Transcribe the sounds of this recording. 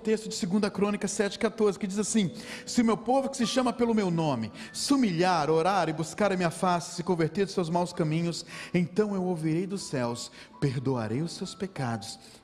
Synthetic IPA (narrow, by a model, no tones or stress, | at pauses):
t̪est̪ʊd͡ʒɪsɪɡũnd̪ɐkɾõnikɐsɛt͡ʃɪ̥kat̪oɾzɪkɪd͡ʒizasĩsɪʊmewpovʊkɪ̥sɪʃɐ̃mɐpelʊmewnõmɪsumiʎaɾoɾaɾɪbuskaɾɐmĩɲɐfasɪ̥sɪkõveɾt̪eɾd̪ʊsewzmawskɐmĩɲʊsẽt̪ɐ̃w̃ewowviɾejd̪ʊsɛws | peɾd̪oa̰ɾejʊsewspekad̪ʊs